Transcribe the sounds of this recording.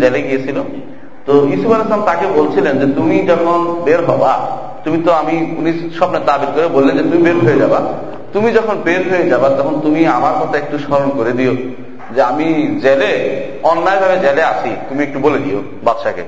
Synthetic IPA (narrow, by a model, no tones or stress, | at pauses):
d͡ʑeleɡijet͡ɕʰilo | t̪oiʃubaɾesamt̪akebolt͡ɕʰilend͡ʑet̪umid͡ʑɔkʰonbeɾɦɔba | t̪umit̪oamiuniʃɔbnet̪abiɾ̚koɾebolːend͡ʑet̪umibeɾɦojed͡ʑaba | t̪umid͡ʑɔkʰonbeɾɦoed͡ʑabat̪ɔkʰont̪umiamaɾkɔt̪ʰaek̚ʈuʃaɾonkoɾed̪io | d͡ʑeamid͡ʑele | ɔnːaebʱabed͡ʑeleaʃʰit̪umiek̚ʈuboled̪io̰ | bat̪ʃakḛ